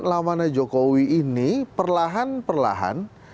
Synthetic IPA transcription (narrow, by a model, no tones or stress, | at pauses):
lamanad͡ʒokowiːnipərlaɦanpərla̰ɦa̰n